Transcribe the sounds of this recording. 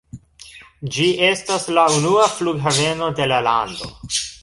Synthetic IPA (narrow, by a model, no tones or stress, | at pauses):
d͡ʒie̞staslaunuafluɡɦave̞no̞de̞lala̰ndo̞̰